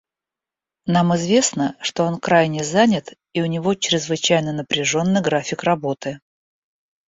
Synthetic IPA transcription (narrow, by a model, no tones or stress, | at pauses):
namɨzvʲe̞snəʂt̪o̞o̞nkɾajnʲɪzanʲɪt̪ | iʊnʲɪvo̞t͡ɕɾʲɪzvɨt͡ɕæjnənəpɾʲɪʐo̞nːɨjɡɾafʲɪkrɐbo̞t̪ɨ